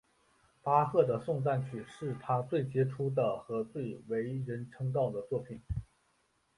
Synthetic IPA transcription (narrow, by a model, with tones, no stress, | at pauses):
pa˥xɤ˥˩d̪ə˩sʊ˥˧ŋt͡sa˥˩nt͡ɕʰy˨˩ʂɻ̩˥˩t̪ʰa˥t͡swe˥˩ɪt͡ɕjɛ˥ʈ͡ʂʰu˥d̪ə˨xɤ˧˥t͡swe˥˩ɪwe˧˥ɪɻə˧˥nʈ͡ʂʰɤ˥ŋt̪̬ɑ˥˩ʊd̪ə˩t͡swɔ˥˩pʰi˨˩˦n